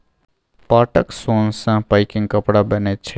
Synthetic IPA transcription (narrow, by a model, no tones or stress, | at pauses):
paːʈəksonsə̃pajkĩŋɡkəpɽabənet͡ʃʰɛ